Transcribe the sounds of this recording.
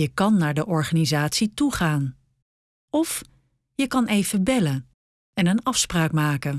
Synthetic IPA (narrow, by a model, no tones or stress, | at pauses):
əkɑnːaːɹdəʔɔɹχaːnizaːtsituχaːn | ɔf | jəkɑnejvəbɛlə | ɛnənɑfspraːkmaːkə